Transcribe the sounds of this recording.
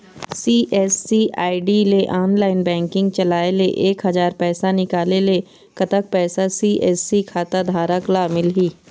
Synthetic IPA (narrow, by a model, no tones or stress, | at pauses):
siːʔɛːsːiʔa̰ːɪɖileʔaːnlaːɪnbɛ̃ːŋkɪ̃ŋɡ̚t͡ʃɐlaːeleʔeːkɦɐzaːɾpɛːsanɪkaːlele | kɐt̪ək̚pɛːsasiːʔɛːsikʰaːt̪ad̪ʱaːɾəklamɪlɦiː